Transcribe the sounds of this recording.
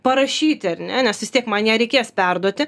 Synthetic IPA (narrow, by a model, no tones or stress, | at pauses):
pɐɾɐʃʲiːt̪ʲɪɐɾʲnʲɛnʲɛsʋʲɪst̪iɛkmɐnjiɛɾʲɛɪkʲeːspʲɛrd̪uɔt̪ʲɪ